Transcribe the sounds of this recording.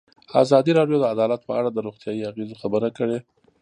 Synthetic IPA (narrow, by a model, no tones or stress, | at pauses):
a̰zɑd̪iɾɑɖjod̪əad̪ɑlat̪̚pəaɽad̪əɾoɣt̪jɑjiaɣezoxabəɾakəɽe